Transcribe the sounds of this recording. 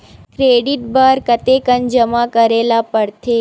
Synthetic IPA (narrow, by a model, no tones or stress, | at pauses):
kɾeɖiʈ̚bəɾkət̪ekənd͡ʒəmakəɾelapəɾt̪ʰe